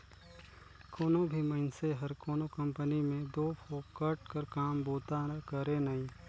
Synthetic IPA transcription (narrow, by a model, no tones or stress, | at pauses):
koːnõbʱimɐɪnseɦɐɾkoːnokɐ̃mpənimẽd̪oːpʰoːkɐʈ̚kəɾkaːmboːt̪akɐɾenɐɦĩː